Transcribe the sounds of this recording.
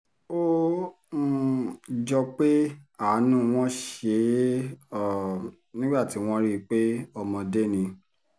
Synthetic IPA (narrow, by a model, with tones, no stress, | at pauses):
o˦˨ | d͡ʒɔ˧k͡pe˦a˦˨˦nũ˦˨w̃ɔ̃˦ʃe˧˦ | ɔ˨ | nĩ˦ɡ͡ba˦˨ti˨˦w̃ɔ̃˦ɾi˦˧k͡pe˦ɔ˧mɔ̃˧de˦nĩ˧